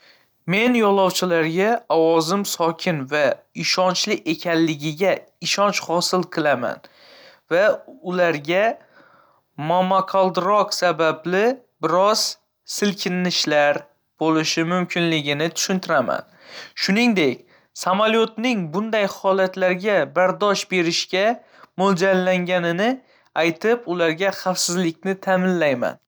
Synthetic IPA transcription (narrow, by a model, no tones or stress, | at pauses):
me̞njɒlˠɒwt͡ʃʰɪlaɾɡʲaɒwɒzɪmsɒkʲʰɪnvaɪʃɒnt͡ʃlɪʔe̞kʲʰanlɪɡʲɪɡʲaɪʃɒnt͡ʃhɒsɪlˠqʰɨlˠama̰n | vaʊlaɾɡʲa | mamaqʰalˠd̪ɾɒqsabablɪ | bɪɾɒz̥ | sɪlkʰʲɪnːɪʃlaɾ | b̥olɪʃɪmʊmkʲʰɪnlɪɡʲɪnɪt̪ʰʊ̥ʃʊnt̪ʰɪɾama̰n | ʃʊnɪŋd̪e̞kʲ | samaljot̪nɪŋbʊnd̪ajhɒlat̪laɾɡʲabaɾd̪ɒʃbe̞ɾɪʃkʲa | mold͡ʒanlaŋɡʲanɪnɪ | ajt̪ʰɪpʊlaɾɡʲaχafsɪzlɪk̚ʲnɪt̪ʰamɪnlajma̰n